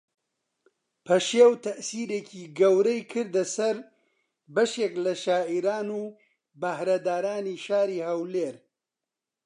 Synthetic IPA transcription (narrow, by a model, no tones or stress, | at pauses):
pʰɐʃeːwt̪ʰɐʔsiːɾeːcʰiːɡɐwɾɐjkʰɨɾd̪ɐsɐɾ | bɐʃeːklɐʃaːʔiɾaːnuː | bɐhɾɐd̪aːɾaːniːʃaːɾiːhɐwleːɾ